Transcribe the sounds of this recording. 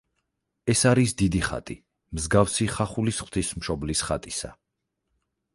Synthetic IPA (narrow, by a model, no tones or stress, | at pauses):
ɛsaɾisd̪id̪iχa̰t̪ʼi | mzɡafsiχaχulisχw̥t̪ʰismʃɔblisχat̪ʼisa̰